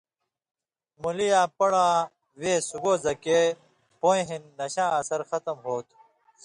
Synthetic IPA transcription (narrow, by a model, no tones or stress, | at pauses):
mulijãːpɐɽãː | weːsuɡoːzɐkeː | poj̃ɦinːɐɕãːɐsɐɾxɐt̪ɐmɦoːt̪ʰ